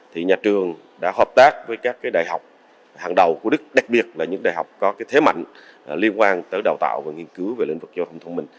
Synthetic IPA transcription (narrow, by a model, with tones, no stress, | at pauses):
t̪ʰi˨˩ɲaː˨˩t͡ɕɨ˨˩əŋ | ɗa̰ː˧˥ɦəː˨˩p̚t̪aː˦˥k̚vəː˨˦jkaː˦˥kːaː˨˦jɗa̰ː˧˨jɦa˨˩wk͡p̚ | haː˨˩ŋɗə˨˩wku˧˩˦ɗɨ˦˥k̚ɗa˨˩k̚ɓi˨˩ət̚laː˨˩ɲɨ̰˧˥ŋɗa̰ː˧˨jɦa˨˩wk͡p̚kɔ˨˦kaː˨˦jt̪ʰe˨˦ma̰˧˨jŋ̟˩ | li˧ənkwaː˧nt̪əː˨˦jɗə˨˩wt̪a̰ː˧˨wvaː˨˩ŋi˧ənkɨ˨˦wve˨˩lḭ˧˨ŋ̟vɨ˨˩k̚zɔ˧t̪ʰə˧wŋ͡mt̪ʰə˧ŋ͡mmï˨˩ŋ̟